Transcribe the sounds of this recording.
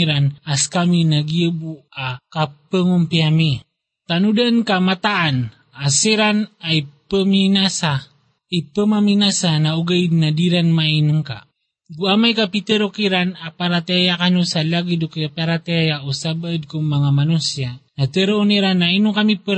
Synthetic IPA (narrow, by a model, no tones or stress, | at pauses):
ɾanaskaminaɡiəbuakapəŋumpiami | t̪anudankamat̪aʔːn | aseɾanajpəminasa | ipəmaminasanauɡaid̪̚nadiɾanmainuŋka̰ | ɡuamajkapit̪əɾokiɾanapaɾat̪eajakanusalaɡidukpaɾat̪eajaʔusabəəd̪̚kuŋmaŋamanusianat̪əɾouniɾanːainukamipə